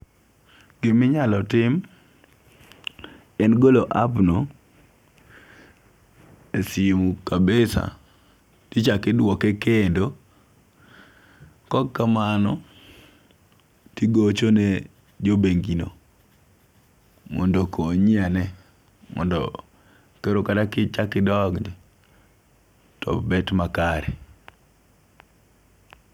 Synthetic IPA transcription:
ɡɪmɪɲalɔtɪm | ɛnɡoloʔapno | esɪmukabesa̰ | tit͡ʃakɪdwɔkɛkendo | kɔkkːamanɔ | tiɡot͡ʃone | d͡ʒobeŋɡino̰ | mɔ̰ndokʰoɲianɛ | mɔ̰ndɔ̰ | keɾokadakɪt͡ʃakɪdɔɡ | tɔ̰bɛtmakaɾɛ

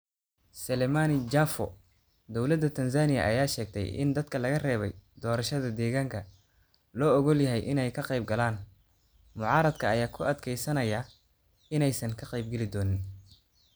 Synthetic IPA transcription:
sɛlɛmaːnɪd͡ʒafɔ̰ | d̪ɔwlɐd̪ːɐt̪ʰɐns̬aːnɪjɐ̰ʔɐ̰jaːʃɛːɡ̚t̪ʰɛ̰jɪ̰nd̪ɐd̪kʰɐlɐɣɐrɛːβɛ̰jd̪ɔːɾɐʃɐðɐd̪ɛːɣaːŋkʰɐ | lɔːɔɣɔljɐɦɛjʔɪnɛjkʰɐqɛjb̚ɡɐlaːn | mʊʕɑːɾɐd̪kʰɐːjaːkʰʊʔɐd̪kʰɛjsɐnɐjɐ | ɪnɛjsɐŋkʰɐqɛjb̚ɡɛlɪd̪ɔːnɪn

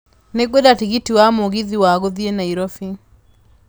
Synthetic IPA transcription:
neɡwɛdatiɣitiwamoɣiðiwaɣoðienaiɾɔfi

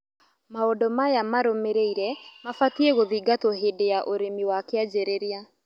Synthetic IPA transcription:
maodɔmajamaɾomeɾeiɾɛmafatieɣoðiɡatoɦeːdejaʔoɾemiwakead͡ʒeɾeɾea

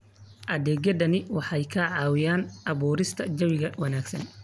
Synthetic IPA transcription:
ʔɐðɛːɡɐðɐnɪwɑħɑjkʰɐʕɑːwɪjaːnʔɑβuːɾɪst̪ʰɐd͡ʒɐwɪɣɐwɐnaːɡsɐ̰n

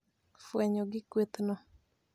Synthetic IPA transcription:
fwɛɲɔɡɪkwet̪nɔ

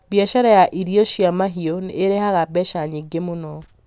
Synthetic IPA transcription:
bjaʃaɾajaʔiɾioʃjamaɦionːɾehaɣabɛʃaɲeɡemonɔ

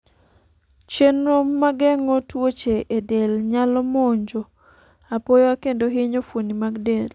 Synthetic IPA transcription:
t͡ʃenɾomaɡɛŋotwot͡ʃeʔedelɲalɔmoɲd͡ʒo | apojwakendoɦɪɲofwonimaɡdel

